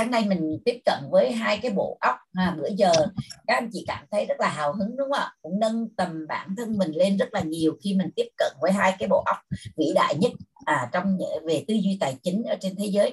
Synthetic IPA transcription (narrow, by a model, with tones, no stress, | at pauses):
taː˨˦ŋna˧jmï˨˩ŋ̟t̪i˦˥əp̚kə̰˧˨nvəː˨˦jɦaː˧jkaː˨˦jɓo̰˧˨ʔə˦˥wk͡p̚aː˨˩mɨ̰˧˩əzəː˨˩kaː˨˦˥k̚ʔjŋ̟t͡ɕḭ˧˨kaː˧˩mt̪ʰə˨˦jzə˦˥t̚laː˨˩ɦaː˨˩wɦɨ˨˦ŋɗʊ˨˦ŋ͡mʔə̰ː˧˨˩kʊ̰˧˥ŋ͡mnə˧nt̪ə˨˩mɓa̰ː˧˩nt̪ʰə˧nmï˨˩ŋ̟le˧nzə˦˥t̚laː˨˩ɲi˨˩əwxi˧mï˨˩ŋ̟t̪i˦˥əp̚kə̰˧˨nvəː˨˦jɦaː˧jkaː˨˦jɓo̰˧˨ʔa˦˥wk͡p̚vḭ˧˨ɗa̰ː˧˨jɲə˦˥t̚ʔaː˨˩t͡ɕɔ˧wŋ͡mɲɨ̰˧˥ve˨˩t̪ɨ˧zwi˧t̪aː˨˩jt͡ɕï˨˦ŋ̟ʔəː˧˩t͡ɕe˧nt̪ʰe˨˦zəː˨˦j